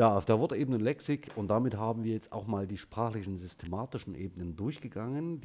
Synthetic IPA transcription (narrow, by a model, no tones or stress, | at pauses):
jaːaʊfd̥eːɐvʊɐdəʔeːbənəlɛksɪkʔʊnt̚d̥amɪthaːbm̩viːɐjɛt͡sta̰ʊxmaːldiːʃpʁ̥aːxlɪçn̩zʏstʰemaːtɪʃn̩ʔḛːbənəndʊɐçɡ̥əɡaŋənd